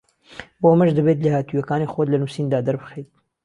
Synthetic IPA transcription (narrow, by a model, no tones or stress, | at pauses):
boɐmɐʒd̪ɐbet̪lehaːt̪ujɐkaːnixwod̪lɐnuːsiːnd̪aːd̪ɐɾbɨxejt̪̚